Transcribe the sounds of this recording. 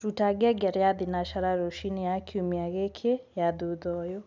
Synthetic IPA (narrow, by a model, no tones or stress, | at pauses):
ɾutaɡɛɡɛɾjadinaʃaɾaɾoʃinijakʰiumiaɣekʰejaduðɔjo